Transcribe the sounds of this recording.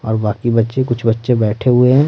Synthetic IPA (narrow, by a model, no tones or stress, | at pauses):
ɔːɾbaːkibɐtːʃekʊt͡ʃʰbɐtːʃebɛːʈʰeɦʊeɦɛ̃ː